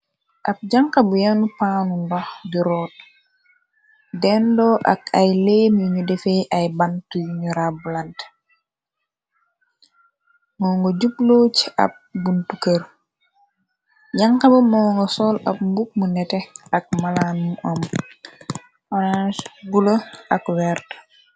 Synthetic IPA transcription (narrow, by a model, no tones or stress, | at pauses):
ʔɐp̚ɟaŋkabujanupaːnuŋɡɔdiɾɔːt̚ | dɛndɔʔa̰kajleːmjuɲudɛfeʔajbantujɲuɾabulant | mɔːŋɡɔɟuploːt͡ʃɐ̰p̚ɡuntukəɾ | jaŋkamɐmɔːŋɡɔsɔːlɐp̚mbuk̚munɛtɛɐk̚malanmuʔɔm | ʔɔnansbuloɐkwɛːɾt